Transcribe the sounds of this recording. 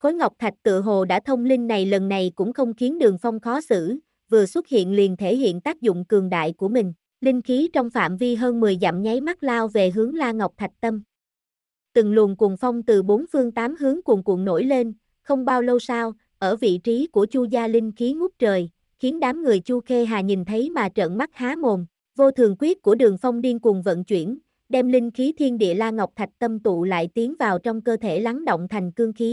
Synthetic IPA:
xo˨˦jŋa˨˩wk͡p̚t̪ʰa˨˩k̟̚t̪ɨ̰˧˨əɦo˨˩ɗa̰ː˧˥t̪ʰə˧wŋ͡mli˧ŋ̟ːa˨˩jlə˨˩nːa˨˩jkʊ̰˧˥ŋ͡mxə˧wŋ͡mxi˨˦ənɗɨ˨˩əŋfa˧wŋ͡mxɔ˨˦sɨ̰˧˥˨ | vɨ˨˩əswə˦˥t̚hḭ˧˨ənli˨˩ənt̪ʰe˧˩ɦḭ˧˨ənt̪aː˦˥k̚zʊ̰˧˨ŋ͡mkɨ˨˩əŋɗa̰ː˧˨jku˧˩əmï˨˩ŋ̟ | lï˧ŋ̟xi˨˦t͡ɕɔ˧wŋ͡mfa̰ː˧˨mvi˧ɦəː˧nmɨ˨˩əjza̰˧˨mɲa˨˦jma˦˥t̚laː˧wve˨˩ɦɨ˨˦əŋlaː˧ŋa˨˩wk͡p̚t̪ʰa˨˩jk̚t̪ə˧m | t̪ɨ˨˩ŋlu˨˩ənku˨˩ənfa˧wŋ͡mt̪ɨ˨˩ɓo˨˦nfɨ˧əŋt̪aː˨˦mɦɨ˨˦əŋku˨˩əŋkṵ˨˧˩əŋno̰˧˩jle˧n | xə˧wŋ͡mɓaː˧wlo˧wsaː˧w | ʔəː˧˩vḭ˧˨t͡ɕi˨˦ku˧˩ət͡ɕu˧zaː˧lï˧ŋ̟xi˨˦ŋʊ˦˥p̚t͡ɕəː˨˩j | xi˨˦ənɗaː˨˦mŋɨ˨˩əjt͡ɕu˧xe˧ɦaː˨˩ɲi˨˩nt̪ʰə˨˦jmaː˨˩t͡ɕə̰ː˧˨nma˦˥t̚haː˨˦mo˨˩n | vo˧t̪ʰɨ˨˩əŋkwi˦˥ət̚ku˧˩əɗɨ˨˩əŋfa˧wŋ͡mɗi˧nku˨˩ŋvə̰˧˨nt͡ɕwi˧˩ən | ɗɛ˧mlï˧ŋ̟xi˨˦t̪ʰi˧ənɗḭ˧˨əlaː˧ŋa˨˩wk͡p̚t̪ʰa˨˩jk̚t̪ə˧mt̪ṵ˧˨la̰ː˧˨jt̪i˨˦əŋvaː˨˩wt͡ɕɔ˧wŋ͡mkəː˧t̪ʰe˧˩la˨˦ŋɗo̰˧˨wŋ͡mt̪ʰa˨˩jŋ̟kɨ˧əŋxi˨˦

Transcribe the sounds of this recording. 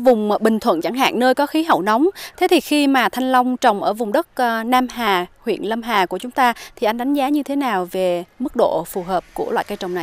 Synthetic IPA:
vʊ˨˩ŋ͡mɓï˨˩ŋ̟t̪ʰwə̰˧˨nt͡ɕa˧˩ŋɦa̰ː˧˨ŋnəː˧jkɔ˨˦xi˨˦ɦə̰˧˩˨wna˨˦wŋ͡mt̪ʰe˨˦t̪ʰi˨˩xi˧maː˨˩t̪ʰa˧jŋ̟la˧wŋ͡mt͡ɕə˨˩wŋ͡mʔəː˧˩vʊ˨˩ŋ͡mɗə˦˥t̚naː˧mɦaː˨˩hwḭ˧˨ənlə˧mɦaː˨˩ku˧˩ət͡ɕʊ˨˦ŋ͡mt̪aː˧t̪ʰi˨˩ʔa˧jŋ̟ɗa˨˦ŋ̟zaː˨˦ɲɨ˧t̪ʰe˨˦naː˨˩wve˨˩mɨ˦˥k̚ɗo̰˧˨fu˨˩ɦəː˨˩p̚ku˧˩əwa̰ː˧˨jka˧jt͡ɕə˨˩wŋ͡mna˨˩j

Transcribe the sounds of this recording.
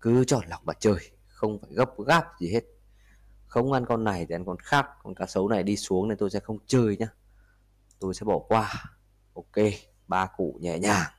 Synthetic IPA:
kɨ˨˦t͡ɕɔ˧˩nla˨˩wŋ͡mɓaː˨˩t͡ɕəː˧˩j | xə˧wŋ͡mfaː˧˩jɣə˦˥p̚ɣaː˦˥p̚zi˨˩he˦˥t̚ | xə˧wŋ͡mʔa˧nkɔ˧nːa˨˩jt̪ʰi˨˩ʔa˧nŋkɔ˧nxaː˦˥k̚kɔ˨˩nkaː˨˦sə˨˦wna˨˩jɗi˧su˨˦əŋne˧nt̪o˧jsɛ̰˧˥xə˧wŋ͡mt͡ɕəː˧˩jɲaː˧ | t̪o˧jsɛ̰˧˥ɓɔ˧˩kwaː˧ | ʔo˧˩ke˧ | ɓaː˧kṵ˧˨ɲɛ̰˧˨ɲaː˨˩ŋ

